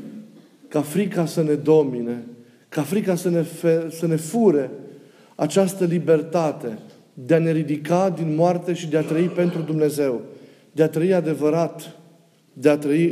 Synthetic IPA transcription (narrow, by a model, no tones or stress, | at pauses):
kafɾikasəne̞d̪o̞mine | kafɾikasənefesəne̞fuɾe̞ | at͡ʃast̪əlibe̞rt̪at̪e̞ | d̪e̞ane̞ɾid̪ikad̪inmoart̪e̞ʃid̪e̞at̪ɾəipe̞nt̪ɾud̪umne̞ze̞w | d̪eat̪ɾəiad̪e̞vəɾat̪ | d̪e̞at̪ɾəi